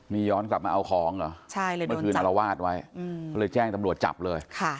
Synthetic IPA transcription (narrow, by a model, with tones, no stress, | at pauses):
miː˧jɔː˦˥nkla˨˩p̚maː˧ʔa˧wkʰɔː˩˦ŋa˨˩t͡ɕʰa˥˩jləː˧˦˥kʰɯː˧na˧la˧waː˥˩t̪̚wa˦˥jɔ˥˩lɤː˧jt͡ɕɛː˥˩ŋt̪a˧mɾu˨˩ət̪̚t͡ɕa̰˨˩p̚lɤː˧jkʰa˥˩